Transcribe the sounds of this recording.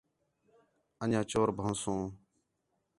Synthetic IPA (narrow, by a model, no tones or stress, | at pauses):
əɲãːt͡ʃoːɾbʱə̃nsõː